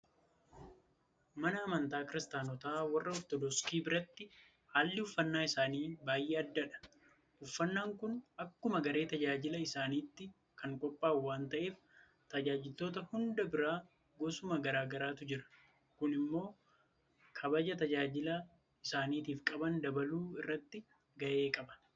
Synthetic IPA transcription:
mɐnɐːmɐnt̪aːkɪɾɪst̪aːnɔt̪aːwɐrːɐɔt̪ːɔd̪ɔskiːbɪɾɐt̪ːɪ | haːlːɪʊfːɐnːaːɪsaːniːbaːjʔeːɐd̪ːɐᶑɐ̥ | ʊfːɐnːaːŋkʊnʔɐkːʊmɐɡɐɾe̞ːt̪ɐd͡ʒaːd͡ʒɪlɐɪsaːniːt̪ːɪ | kɐŋkʼɔpʼːaːwːaːnt̪ɐʔe̞ːf | t̪ɐd͡ʒaːd͡ʒɪlt̪o̞ːt̪ɐhʊnd̪ɐbɪɾaː | ɡoːsʊmɐɡɐɾaːɡɐɾaːt̪ʊd͡ʒɪɾɐ̥ | kʊnɪmːo̞ː | kʰɐbɐd͡ʒɐt̪ɐd͡ʒaːd͡ʒɪlɐ | ɪsaːniːt̪iːfkʼɐbɐnd̪ɐbɐluːɪrːɐt̪ːɪ | ɡɐʔeːkʼɐbɐ̥n

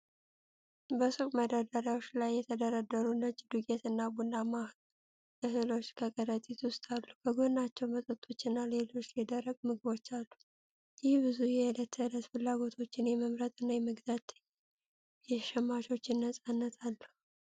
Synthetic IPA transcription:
bəsukʼməd̪əd̪aɾawot͡ʃːlajːɛt̪ʰəd̪əɾad̪ːəɾunəd͡ʒd̪ukʼet̪ɨnːabunːama | ɨɦɨlo̞t͡ʃːkʰəkʼəɾət̪ʼit̪wʊst̪ʼalːubəɡonːat͡ʃːɛwmət̪ʼət̪ʼːo̞t͡ʃːɪnːale̞lo̞t͡ʃːlid̪əɾəɡmɨɡɨβo̞t͡ʃːalːu | jɪhbɨzujɛhlət̪ːɨhɨlət̪fɨlːaɡo̞t̪ʰo̞t͡ʃːɪnjɛməmɾət̪ʼɨnːajɛməɡzat̪ | jɛʃɛmːaʃo̞t͡ʃːɪnːəsʼanːət̪ʰalːu

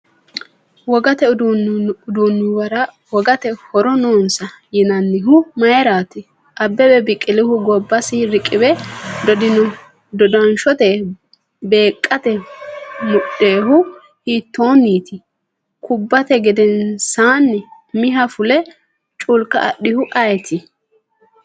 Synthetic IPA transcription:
wɔɡɐt̪ɛ | ʊd̪unːʊɐɾɐ | wɔɡɐt̪ɛhɔɾɔno̞ːnsɐ | jɪnɐnːɪɦʊmɐjɛɾaːt̪ɪ | ʔɐbːɛbɛbɪkʼːɪlɪhʊɡɔbːɐsɪɾɪkʼːɪbɛd̪ɔd̪ɪnɔ | d̪ɔd̪ɐnʃɔt̪ɛ | be̞ːkʼːɐt̪ɛ | mʊɗeːɦʊ | hiːt̪ːo̞ːnːiːt̪ɪ | kʰʊbːɐt̪ɛɡɛd̪ɛnsaːnːɪ | mɪɦɐfʊlɛ | t͡ʃʼʊlkɐ̰ːɗːɪhʊʔɐjt̪ʰɪ

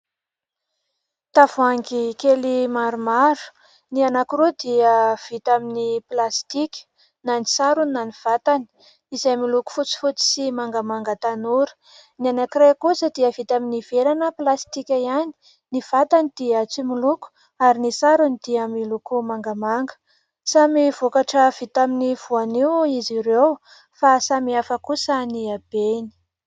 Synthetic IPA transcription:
t̪avuaŋɡikelimaɾumaɾu̥ | nianakuɾud̪iəv̥it̪aminiplast̪ikʲə̥ | nanisaɾuninːaniv̥at̪ani̥ | izajmiluku̥fut͡si̥fut͡si̥simaŋɡamaŋɡət̪anuɾə̥ | nianakirekusəd̪iəvit̪aminiv̥eɾanəplast̪ikʲaijani̥ | niv̥at̪anid̪iat͡similuku̥ | aɾinisaɾunid̪̥iamilukumaŋɡamaŋɡə̥ | samivokaʈ͡ʂəv̥it̪aminiv̥uaniwiziɾew | fasamiafakusaniab̥eni̥

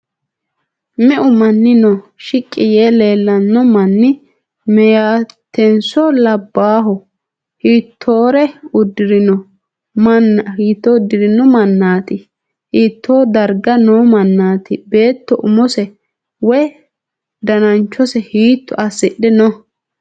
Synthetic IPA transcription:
mɛʔʊmɐnːɪnɔʃɪkʼːɪjeːle̞ːlːɐnːɔmɐnːɪ | mɛjaːt̪ʰːɛnsɔlɐbːaːɦɔ | hiːt̪ʰːoːɾɛʊd̪ɪɾɪnɔ | mnhiːt̪ːoʊd̪ːɪɾɪnɔmɐnːaːt̪ɪ | hiːt̪ʰːoːd̪ɐɾɡɐnoːmɐnːaːt̪ɪbe̞ːt̪ːɔʔʊmɔsɛ | wɔj | d̪ɐnɐnt͡ʃːɔsɛhiːt̪ːʊʔɐsɪɗɛnɔ

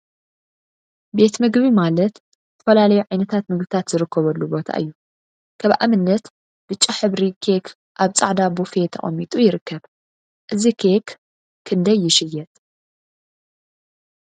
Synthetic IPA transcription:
be̞t̪mɨɡβimalɐt̪ | zɨt̪ʰɐfɐlalɐjuʕajnɐt̪ʰat̪mɨɡbɨt̪ʰat̪zɨɾɨkʰːɐβɐlːubo̞t̪ʰa̰ʔɨ̰jːu | kʰɐβʔa̰mɨnːɐt̪ | b̥ɨt͡ʃʼːaħɨβɾikʰe̞kʰ | ʔaβt͡sʼa̰ʕd̪abufet̪ʰɐ̰χʼɐ̰mːit̪ʼujɪɾɨkːɐβ | ʔɨzikʰe̞k | kʰːɨnd̪ɐjːɪʃɪjːɛt̪ʼ

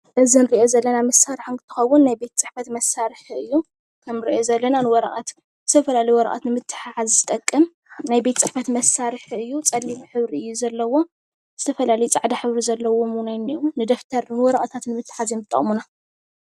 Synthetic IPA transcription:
ʔɨzinɨɾiʔo̞zɐlːɐnamɐsːaɾħnkʰɨt̪ʰɨ̥xɐwːʊnːajbe̞t̪ʰt͡sʼɨħfɐt̪mɐsːaɾħɨjːu | kʰɐmnɨɾḭʔo̞zɐlːɐnanɨwɔɾɐʔʼat̪ | z̥ɨt̪ʰɐfɐlalɐjwɔɾɐ̰ʔʼa̰t̪nɨmɨt̪ʰːɨ̥ħaħazzɨt̪ʼɐkʼːɨm | najbe̞t̪ʰt͡sʼɨħfɐt̪mɐsːaɾɨħɨjːut͡sʼɐlːimiħɨβɾiɨjːuzɐlːɐwo̞ | z̥ɨt̪ʰɐfɐlalɐjut͡sʼaʕd̪aħɨβɾizɐlːɐwomunajnomnɨd̪ɐft̪ʰɐɾnɨwɔɾɐʔʼɐt̪ʰat̪nɨmɨt̪ʰːɨ̥ħazimɨt̪ʼːɐ̰χʼmuna

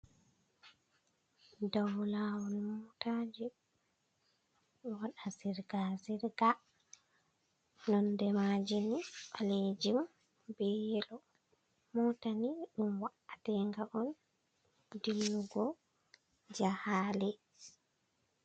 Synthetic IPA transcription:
dawlawɔlmɔtad͡ʒi | waɗasiɾɡasiɾɡa | nɔndɛmad͡ʒiniɓaled͡ʒim | bɛjɛlɔ | mɔtaniɗumwaʔatɛŋɡaʔɔn | dilːuɡɔ | d͡ʒahaːlɛ

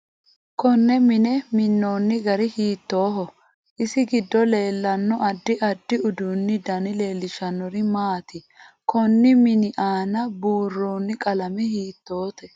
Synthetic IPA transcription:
kɔnːɛmɪnɛmɪnːo̞ːnːɪɡɐɾɪhiːt̪ːo̞ːɦɔ | ʔɪsɪɡɪd̪ːɔle̞ːlːɐnːɔʔɐd̪ːɪʔɐd̪ːɪʊd̪uːnːɪd̪ɐnɪle̞ːlːɪʃɐnːɔɾɪmaːt̪ɪ | kʰɔnːɪmɪnɪʔaːnɐbuːrːoːnːɪkʼɐlɐmɛhiːt̪ːo̞ːt̪ɛ

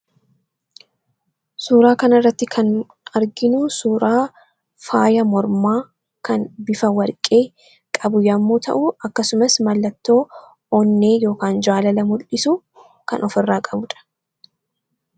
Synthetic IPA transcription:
suːɾaːkɐnɐrːɐt̪ːɪkʰɐn | ɐɾɡɪnʊsuːɾaː | faːjɐmɔɾmaː | kɐnbɪfɐwɐɾkʼe̞ː | kʼɐbʊjɐmːuːt̪ʰɐ̰ʔʊɐkːɐsʊmɐsmɐlːɐt̪ːo̞ː | oːnːe̞ːjo̞ːkaːnd͡ʒaːlɐlɐmʊlʔɪsʊ | kɐnʔɔfɪrːaːkʼɐbʊᶑɐ̥

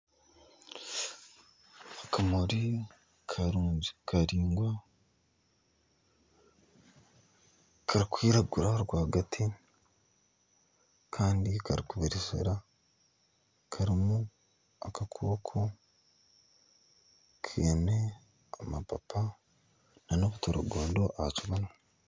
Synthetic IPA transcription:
akamoɾi | kʰaɾuːɲd͡ʒikʰaɾiːŋɡwa | kʰaɾikwiːɾaɡuɾaɾɡwaːɡatʰi | kʰaːndikaɾikuβiɾizḛɾa | kʰaɾimu | akakʰoːkʰo | kʰeːne | amapapʰa | nanokutoɾṵɡoːndoʔahat͡ʃiβano

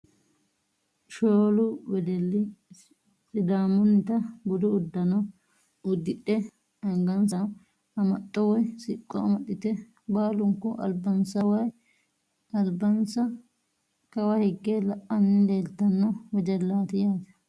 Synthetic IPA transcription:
ʃoːlʊwɛd̪ɛlːɪ | sɪd̪aːmʊnːɪt̪ɐbʊd̪ʊːd̪ːɐnɔ | ʊd̪ːɪɗːɛ | ɐŋɡɐnsɐn | ɐmɐt̪ʼːɔwɔjsɪkʼːɔɐmɐɗɪt̪ɛ | baːlʊŋkːɔʔɐ̰lbɐnsɐwaj | ɐlbɐnsɐ | kɐwɐhɪɡːelɐʔːɐnːɪleːlt̪ːɐnːɔwɛd̪ɛlːaːt̪ɪjaːd͡ʒɐ̥

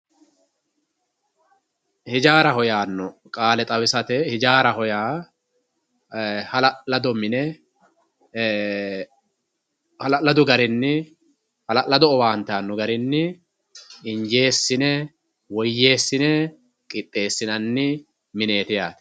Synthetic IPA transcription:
hɪd͡ʒaːɾɐhɔjaːnːɔkʼaːlɛt̪ʼɐwɪsɐt̪ɛhɪd͡ʒaːɾɐɦɔjaː | hɐlɐlɐd̪ɔmɪnɛ | hɐlɐlɐd̪ʊɡɐɾɪnːɪ | hɐlɐlɐd̪ɔːwaːnt̪aːnːɔɡɐɾɪnːɪ | ɪɲd͡ʒe̞ːsːɪnɛ | wɔjːe̞ːsːɪnɛ | kʼɪpʼːe̞ːsːɪnɐnːɪ | mɪne̞ːt̪ɪjaːt̪

